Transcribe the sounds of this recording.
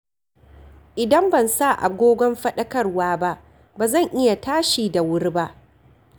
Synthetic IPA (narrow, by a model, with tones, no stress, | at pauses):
ʔɪ˨dɐ˦mbɐ˨nsa˦˨ʔa̰˨ɡʷoː˦ɡʷɔ˦mɸɐ˦ɗɐ˦kɐ˦rwaː˦ba˦ʔ | baː˨zɐ˦˨ŋʔɪ˦ja˨taː˦ʃiː˨da˨wʊ˦rba˦ʔ